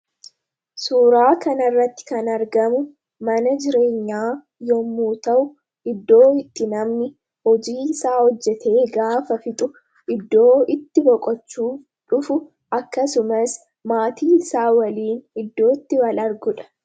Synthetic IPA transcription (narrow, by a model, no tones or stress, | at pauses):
suːɾaːkɐnɐrːɐt̪ːɪ̥kɐnɐɾɡɐmʊ | mɐnɐd͡ʒɪɾe̞ːɲːaː | jɔmːuːt̪ɐʔʊ | ʔɪd̪ːo̞ːɪt̪ːɪnɐmnɪ | hɔd͡ʒiːɪsaːhɔd͡ʒːɛt̪ʰe̞ːɡaːfɐfɪt̪ʼʊ | ʔɪd̪ːo̞ːɪt̪ːɪbɔkʼɔt͡ʃːuː | ᶑʊfʊ | ɐkːɐsʊmɐs | maːt̪ʰiːɪsaːwɐliːnɪd̪ːo̞ːt̪ːɪwɐlɐɾɡʊᶑɐ̥